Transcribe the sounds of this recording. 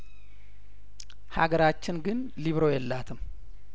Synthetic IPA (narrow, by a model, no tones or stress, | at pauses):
ha̰ɡəɾat͡ʃːɪnɡɨn | liβɾo̞jɛlːat̪ʰɨm